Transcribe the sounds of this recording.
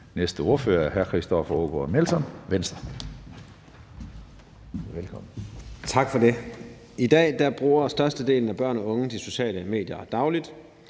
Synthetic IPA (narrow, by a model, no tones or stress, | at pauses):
nesd̥əo̝ɐfø̰ːɐæɐɦæɐkʰʁisd̥ɒfɐoɡ̥omelsɒ̽nʋensd̥ɐ | ʋelkʰɒ̽mn̩t͡sʰɑ̈ɡ̥fɒde̝ | id̥ɛ̰ːd̥æb̥ʁuːɐsd̥ɶɐsd̥əd̥e̝̰ːln̩æb̥ɶɐnɒ̽ɔ̽ŋəd̥iso̝ɕɛ̰ːləme̝̰ːd̥jɐd̥ɑ̈ʊlid̥